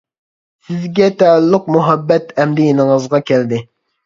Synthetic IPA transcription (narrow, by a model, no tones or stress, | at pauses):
sɪzɡʲɛt̪ʰɛlːʊqmuɦɛbːɛt̪ʰɛmd̪ɪjenəŋəzʁɑkʲʰɛld̪ɪ